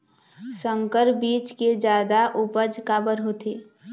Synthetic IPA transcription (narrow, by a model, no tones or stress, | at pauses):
sə̃ŋkəɾbiːt͡ʃked͡ʒjaːd̪aʔʊpəd͡ʒkaːbəɾɦoːt̪eː